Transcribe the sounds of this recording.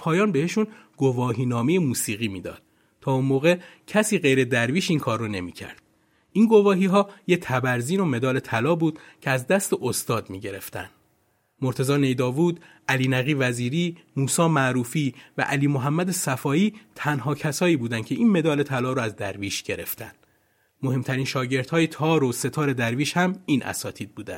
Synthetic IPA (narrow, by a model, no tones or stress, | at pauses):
pʰɒːjɒːnbe̞heʃunɡ̥o̞vɒːɦiːnɒːmejemuːsiːɣiːmiːd̪ɒ̰ːd̪̥̚ | t̪ʰɒːunmoːɣecʰæsiːɣe̞jɾe̞d̪æɾviːʃiːnkʰɒːrːone̞̰mḭːcʰæ̰ɾd̪̥ | ʔiːnɡo̞vɒːɦiːɦɒːjet̪ʰæbæɾziːno̞me̞d̪ɒːle̞t̪ʰælɒːbuːd̪̥cʰeæzd̪æst̪eʔost̪ɒːd̪miːɟe̞ɾe̞̰ft̪æ̰nd̪ | mo̞ɾt̪ʰe̞zɒːne̞jd̪ɒːvuːd̪ʔæliːnæɣiːvæziːɾiːmuːsɒːmæɾuːfiːvæ̰ʔæliːmoɦæmːæd̪e̞sæfɒːiːt̪ʰænɦɒːcʰæsɒːiːbuːd̪æn̥cʰe̞iːnme̞d̪ɒːle̞t̪ʰælɒːɾoæzd̪æɾviːʃɟ̥e̞ɾe̞̰ft̪ʰæ̰nd̪̥ | mohe̞mt̪ʰæɾiːnʃɒːɟe̞ɾt̪hɒːjet̪ʰɒːɾose̞t̪ʰɒːɾe̞d̪æɾviːʃhæmiːnʔæ̰sɒːt̪ʰiːd̪̚buːd̪æ̰n̥